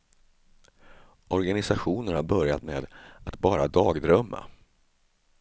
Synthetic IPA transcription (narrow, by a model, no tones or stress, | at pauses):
ʔɔɾɡanɪsaɧuːnənhaɾbœɾjat̪meːd̪at̪bɑːɾad̪ɑːɡd̪ɾœmːa̰